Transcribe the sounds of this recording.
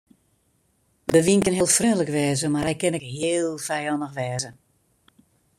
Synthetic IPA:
dəʋinkənɦeːlˠfrɛdələkʋɛːzəmarhɛjkɪnɪkhɪːlˠfɛjɔndəxʋɛːzə

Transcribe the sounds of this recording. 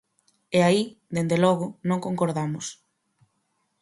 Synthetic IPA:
ɛai | d̪end̪elɔɣʊnõŋkoŋkoɾðamʊs

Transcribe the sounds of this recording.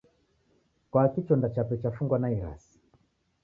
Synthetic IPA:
kwakit͡ʃɔndat͡ʃapɛt͡ʃafuŋɡwanaiɾa̰si̥

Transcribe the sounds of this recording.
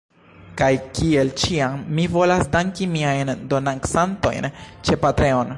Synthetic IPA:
kajkie̞lt͡ʃiaŋmivo̞lasdaŋkimiajndo̞naŋksanto̞̰jnt͡ʃe̞patɾe̞on

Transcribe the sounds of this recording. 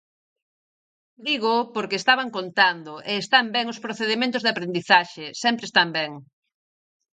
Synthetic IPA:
d̪iɣopoɾkeːst̪aβaŋkont̪and̪oʔeːst̪ambɛŋospɾoθeðimẽnt̪ʊzðapɾend̪iθaʃesɛmpɾest̪ambɛŋ

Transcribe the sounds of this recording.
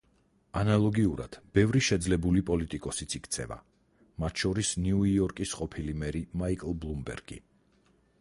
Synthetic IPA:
analˠɔɡiuɾa̰d̪̥b̥ɛvɾiʃɛd̪zlɛbulipʼɔlit̪ʼikʼɔsit̪sʰikʰt̪sʰɛ̰va̰ | mat̪ʰʃɔɾisniuiɔɾkʼisqʼɔpʰilimɛɾimaikʼlˠblˠumbɛ̰ɾɡ̥ḭ

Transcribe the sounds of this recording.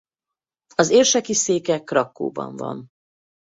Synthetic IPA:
ɒzeːrʃɛkiseːkɛkrɒkːo̰ːbɒ̰ɱvɒ̰n

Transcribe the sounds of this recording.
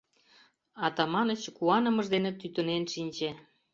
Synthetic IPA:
ɑt̪ɑmɑnət͡ɕkuɑnə̆məʒd̪enĕt̪yt̪ənenʃinʲt͡ɕe

